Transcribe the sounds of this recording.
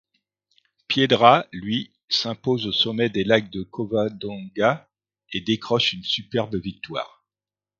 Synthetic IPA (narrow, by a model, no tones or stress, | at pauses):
pjed̪ʁalɥi | sɛ̃pozosɔmɛd̪elaɡ̚d̪əkʰɔvad̪ɔ̃ɡa | ed̪ekχɔʃynsypɛʁbəvik̚t̪wa̰ːʁ